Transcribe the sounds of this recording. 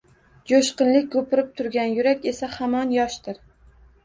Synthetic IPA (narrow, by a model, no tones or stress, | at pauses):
d͡ʒoʃqɨnlɪk̚ʲkːʰɵpɪɾɪp̚t̪ʰʊɾɡʲanjʊɾakʲe̞sahamɒnjɒʃt̪ɪɾ